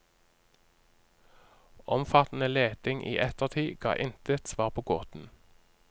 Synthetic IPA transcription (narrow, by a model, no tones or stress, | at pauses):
ʔɔmfɑt̪n̩əleːt̪ɪŋʔḭːʔɛt̪əʁt̪ʰiːɡ̥ɑ̰ːʔɪnt̪ət̪sʋɑːʁpʰoːɡo̰ːt̪n̩